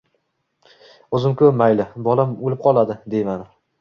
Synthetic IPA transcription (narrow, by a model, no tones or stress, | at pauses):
ɵzɪmkʰʲɵmajlɪbɒlamolɪp̚qʰɒlˠad̪ɪd̪ejmanɪ